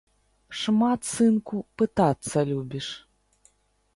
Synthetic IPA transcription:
ʂmat̪sɨnkupɨt̪at̪sːɐlʲubʲiʂ

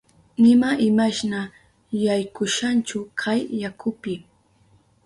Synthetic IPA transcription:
nɪmaʔɪmaʃna | jajkʊʃant͡ʃʊkʰajːakʰʊpɪ

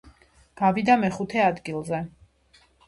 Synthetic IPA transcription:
ɡ̥avid̪amɛχut̪ʰɛad̪ɡilˠzɛ

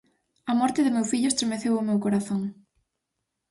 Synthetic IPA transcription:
ɐmɔɾt̪ɪðɪmewfiʎʊest̪ɾemeθewʊmewkoɾaθoŋ

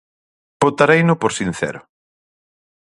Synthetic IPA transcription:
pot̪aɾejnʊpoɾsin̟θɛ̰ɾʊ

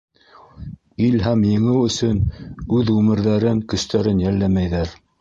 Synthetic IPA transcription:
ilɦæmjɤ̆ŋɘwɵ̆sɵnʉðʁʉmɘ̆ɾðæɾɘŋkɵ̆st̪æɾɘnjælːæmæjðæɾ

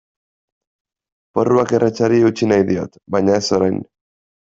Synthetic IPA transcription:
po̞ruake̞rʔet͡ʃaɾieut͡ʃinajðio̞̰t̪βajɲae̞so̞ɾajn

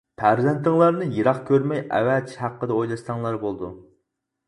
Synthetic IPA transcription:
pʰæɾzɛnt̪ɪŋlˠɑɾnɨjiɾɑχkʲʰøɾmɛjæ̰wɛt͡ʃʰhæqːəd̪ɛojlˠɑst̪ɑŋlˠɑɾbolˠd̪ṵ

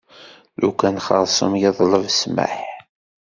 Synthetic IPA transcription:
lukænχɑɾˤsˤə̰mjɪðˤləvsmə̰ħ

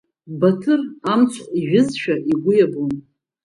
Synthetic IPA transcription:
batʰɨramt͡sʷʰʼiʒʊzʃᶣaʔiɡʷʊjabun

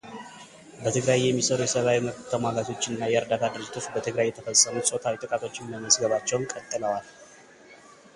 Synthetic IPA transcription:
bət̪ʰɨɡɾajːɛmːisəɾujɛsəβawiməβt̪t̪ʰəmaɡat̪ʰo̞t͡ʃːɪnːajɛɾd̪at̪ʰad̪ɨɾɨd͡ʒːɪt̪ʰo̞t͡ʃbət̪ʰɨɡɾajːɛt̪ʰəfəsʼːəmut̪sʼo̞t̪ʰawit̪ʼɨkʼat̪ʰo̞t͡ʃːɪmməməzɡəβat͡ʃːɛwnkʼət̪ʼːɨləwal

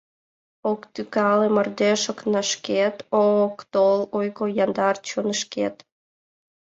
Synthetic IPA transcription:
okt̪ykɑlemərd̪eʃəknəʃket̪okt̪olojkojɑnd̪ɑrt͡ɕonəʃkḛt̪

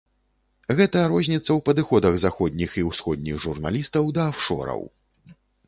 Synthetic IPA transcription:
ɣɛt̪ɐɾɔzʲnʲit̪sːɐwpɐd̪ɨxɔd̪ɐɣzaxɔd̪ʲnʲixiwsxɔd̪̚ʲnʲiɣʐurna̰lʲist̪ɐwd̪ɐːwʂɔ̰ɾɐ̰w

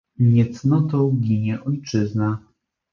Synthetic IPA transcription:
ɲɛt̪snɔt̪ɔwɡʲiɲɛʔɔjt͡ʂɘzna

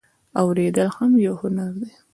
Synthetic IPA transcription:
awɾed̪əlhamjawhʊnaɾd̪e

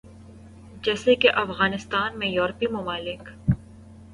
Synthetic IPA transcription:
d͡ʒɛːsekeʔɐfɣaːnɪst̪aːnmẽjɔːɾpimʊmaːlɪk

